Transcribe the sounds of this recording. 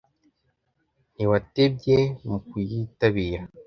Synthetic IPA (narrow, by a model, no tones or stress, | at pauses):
niwateb̚ɟemukujitaβiɾa